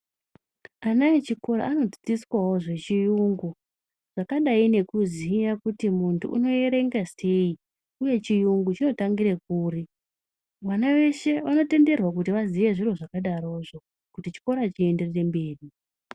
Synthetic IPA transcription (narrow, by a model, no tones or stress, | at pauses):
anait͡ʃiko̞ɾa̰ano̞d͡zi̥t͡siswawo̞ʐe̞t͡ʃijuŋɡu | ʐ̥akaɗaine̞kuzijakutimuntʰṵʔṵno̞je̞ɾe̞ŋɡase̞i | uje̞t͡ʃijuŋɡut͡ʃino̞taŋɡiɾek̚uːri | ʋanaʋe̞ʃe̞ʋano̞te̞nde̞rwak̬utiʋaziʋe̞ʐiro̞ʐakaɗaɾo̞ʐo̞ | kutit͡ʃi̥ko̞ɾat͡ʃie̞nde̞rere̞mbe̞ːɗi